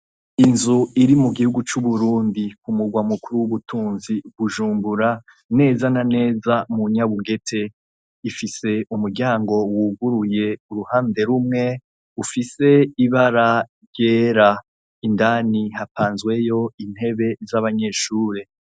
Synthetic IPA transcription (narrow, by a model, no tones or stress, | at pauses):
inzuiɾimuɡihuɡut͡ʃuβuɾuːndikumuɡwamukuɾuwuβutʰuːnziβuʒuːmbuɾa | ne̞ːzanane̞ːzamuɲaβuɡe̞tʰe̞ | ifise̞umuɾɟaːŋɡo̞wuɡuɾuje̞uɾuhaːnde̞ɾumŋe̞ | ufise̞iβaɾa | ɾjeːɾa | indaːnihapaːnzwe̞jo̞in̥he̞βe̞zaβaɲe̞ːʃuːɾe̞